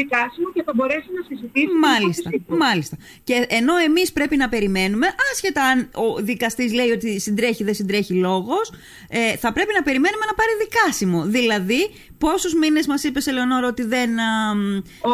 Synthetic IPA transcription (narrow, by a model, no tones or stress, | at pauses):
ikɐsimoceθɐbo̞ɾe̞sunɐsizit̪isumɐlist̪ɐmɐlist̪ɐ | ce̞ʔːno̞e̞mispɾe̞pinɐpe̞ɾime̞nume̞ʔɐsçe̞t̪ɐɐno̞ðikɐst̪izle̞io̞t̪isind̪ɾe̞çiðensind̪ɾe̞çilo̞ɣo̞s | eθɐpɾe̞pinɐpe̞ɾime̞nume̞nɐpɐɾiðikɐsimo̞ðilɐði | po̞suzmine̞zmɐsipe̞se̞leono̞ɾɐo̞t̪iðe̞n